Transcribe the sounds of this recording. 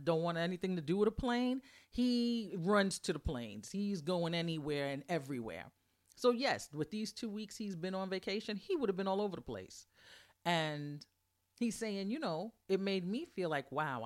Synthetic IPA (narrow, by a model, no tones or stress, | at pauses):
dõʊ̃nʔ̚wɑ̃ntɛniθɪ̃ŋtʰɨdɨɨɾəpʰl̥ẽɪ̃niɹʌ̃nz̥tʰɨðəpʰl̥ẽɪ̃nz̥izɡoʊɪ̃ŋɛniwɛɹɨ̃nɛvɹiwɛ̰ɹ | soʊjɛswɨðiz̥tʰʉwikshizbɨ̃nə̃nveɪkʰeɪʃɨ̃niwʊɾɨvbɨ̃nɔlˠoʊvə˞ðəpʰl̥ḛɪs | ɨ̃n | hiz̥seɪɪ̃ŋjɨnoʊɨt̚meɪd̚mifilaɪkwaʊ